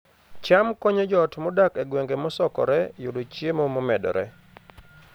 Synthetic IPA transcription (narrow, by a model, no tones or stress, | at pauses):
t͡ʃamkɔɲed͡ʒɔtmɔdakeɡweŋɡemɔsɔkɔ̰ɾɛjudot͡ʃjemomɔmɛdɔ̰ɾɛ̰